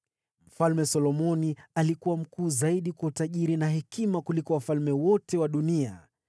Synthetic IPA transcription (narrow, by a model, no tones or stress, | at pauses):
m̩falmɛsɔlɔmɔnialikuwam̩kuːzaiɗikwautaʄiɾinaɦɛkimakulikɔwafalmɛwɔtɛwaɗunia